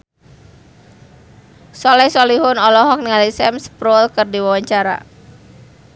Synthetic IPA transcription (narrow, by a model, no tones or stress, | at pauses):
sɔlɛhsɔliɦʊnɔlɔɦɔk̚niŋalisɛmspɾolkərdiwawaɲt͡ʃaɾa̰